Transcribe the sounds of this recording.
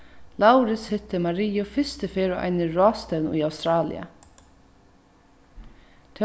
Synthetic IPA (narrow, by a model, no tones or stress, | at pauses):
lawɾɪshʏt̪ːəmɑɾiːʊfɪst̪əfeːɾʊʔa̰ɪnɪɹɔːst̪ɛniawst̪ɾɑːlɪ̰ə̰ | t̪ʰɛ